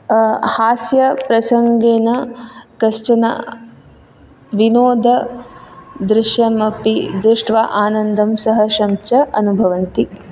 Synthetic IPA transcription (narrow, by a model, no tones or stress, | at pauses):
haːsjɐpɾɐsɐŋɡeːnɐkɐst͡ʃɐnɐ̰ | ʋinoːd̪ʱɐ | d̪ɾɪʂjɐmɐpid̪ɾɪʂʈʋaʔaːnɐnd̪ʱɐmsɐɦɐʃɐmt͡ʃɐʔɐnubʱɐʋɐnt̪i